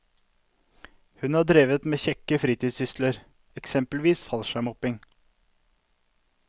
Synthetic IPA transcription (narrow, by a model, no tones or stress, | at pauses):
hʉnhɑːɖɾeːʋət̪meːçɛkːəfɾiːt̪iːd̪sʏst̪ləɾ | ɛksɛmpəlʋiːsfɑlʃæmɔpɪŋ